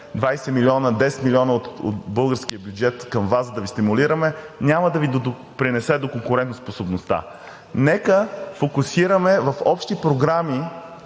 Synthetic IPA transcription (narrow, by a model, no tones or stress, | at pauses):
d̪vajsɛmilʲiɔnəd̪ɛsɛ̥t̪milʲiɔnəot̪o̰t̪bɤlˠɡəɾskiəbʲjud͡ʒɛt̪kəmvasəd̪ɐvist̪imuliɾəmɛnʲaməd̪ɐvid̪o | pɾinɛsɛd̪okoŋkʊɾɛnt̪nsposobnost̪a̰ | nɛkəfokusiɾəmɛvɐfɔpʃt̪ipɾoɡɾami